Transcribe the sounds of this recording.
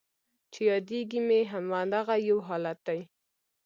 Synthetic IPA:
t͡ʃejɑd̪eɡimeɦamwand̪aɣajawɦɑlat̪̚d̪aj

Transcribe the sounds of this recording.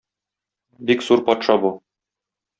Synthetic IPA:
bikz̥uɾpɒt̪ʃɑbu

